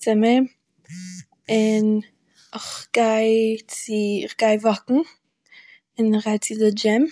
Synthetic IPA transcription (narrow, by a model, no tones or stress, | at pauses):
t͡sɪmə | ɪn | ɪχɡ̥aɪt͡sɪɪχɡaɪvɔkŋ̩ | ɪnɪχɡaɪt͡sɪdɪd͡ʒɪm